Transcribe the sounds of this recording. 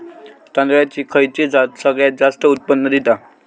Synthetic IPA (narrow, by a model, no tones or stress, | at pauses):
t̪ənd̪ʋɭjat͡ɕiːkʰəjt͡ɕid͡zasəɡɭjad͡zast̪əut̪̚pənːəd̪it̪a